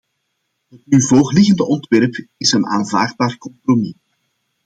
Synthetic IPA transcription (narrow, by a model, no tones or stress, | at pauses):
ɦətnyvoːxlɪɣəndəʔɔntʋɛrpɪsəna̰ːnva̰ːrd̚baːrkɔmpromi